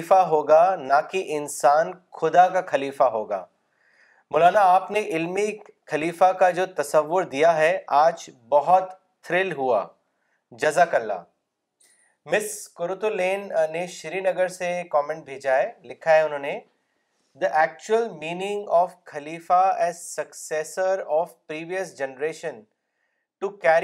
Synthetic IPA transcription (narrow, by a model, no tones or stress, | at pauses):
faɦoːɡanakiʔɪnsaːnxʊd̪akaxɐliːfaɦoːɡa̰ː | moːlaːnaaːpneʔɪlmi | xɐliːfakad͡ʒoːt̪ɐsəʋːʊɾd̪ijaɦɛʔaːd͡ʒbɐɦɔt̪ | t̪ʰːɾɪlɦua̰ː | d͡ʒɐzakɐlːa̰ː | mɪskʊɾʊt̪ulẽːnːeʃɪɾinɐɡəɾsekɔːmẽɳʈ̚bʱeːd͡ʒaɦɛlɪkʰaɦɛʊnɦõːne | d̪əʔɛːk̚t͡ʃuəlmiːnɪ̃ŋɡɔːfkʰɐliːfaɛːzsɐkseːsəɾɔːfpɾiːʋijəsd͡ʒɛnɾeːʃə̃n | ʈukɛːɾ